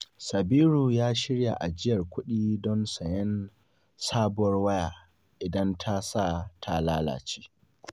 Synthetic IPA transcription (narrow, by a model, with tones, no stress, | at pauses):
sɐ˨biː˦ɾu˨jaː˦ʃɪ˦ɽja̰˨ʔa˨d͡ʒɪ˦jɐ˨rkʷʊ˦ɗiː˦dɔ˦nsɐ˨jɛ˦n | saː˦bʊ˨wɐ˦rwɐ˦jaː˨ | ʔɪ˨dɐ˦ntʰa˦sa˦˨tʰa˨laː˦la̰ː˨t͡ʃi̥ː˦